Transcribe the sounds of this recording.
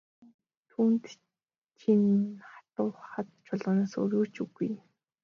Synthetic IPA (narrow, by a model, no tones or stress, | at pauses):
t̪ʰuːnt̪ | t͡ɕʰinχḁt̪ʊːχat̪̚t͡ɕʰʊɮʁə̆ːnaːsɵ̰ɾʲuːt͡ɕuɣuj